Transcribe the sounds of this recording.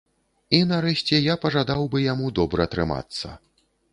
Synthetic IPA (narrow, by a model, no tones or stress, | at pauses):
inaɾɛɕʲt͡sʲɛjapɐʐad̪awbɨjamud̪ɔbɾɐɐt̪ɾɨma̰t̪sːɐ̰